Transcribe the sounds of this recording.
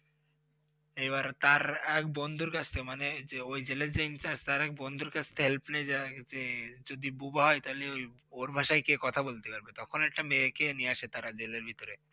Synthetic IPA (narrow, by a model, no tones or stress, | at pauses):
ejbaɾt̪aɾɛk̚bond̪ʱuɾkat͡ɕʰt̪ʰemaneeojd͡ʑeleɾd͡ʑeint͡ɕaɾst̪aɾɛk̚bond̪ʱuɾkat͡ɕʰt̪ʰeɦelpned͡ʑad͡ʑed͡ʑod̪ibubaɦɔet̪aɦileoj | oɾbʱaʃajkekɔt̪ʰabolt̪epaɾbet̪ɔkʰonɛk̚ʈamekeniaʃet̪aɾad͡ʑeleɾbʱit̪oɾe